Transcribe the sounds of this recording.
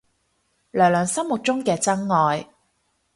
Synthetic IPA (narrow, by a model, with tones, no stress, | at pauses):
lœː˨˩ŋlœː˨˩ŋsɐ˥mmʊ˨t̚t͡ʃʊ˥ŋkɛː˧t͡sɐ˥ŋːɔː˨j